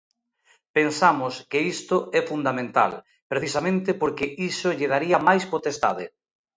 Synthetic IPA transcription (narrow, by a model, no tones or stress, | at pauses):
pensamʊskɪist̪ʊɛfund̪amẽnt̪a̰l | pɾeθisamẽnt̪ɪpoɾkɪʔisoʎeð̞aɾiɐmajspot̪est̪a̰ðɪ̰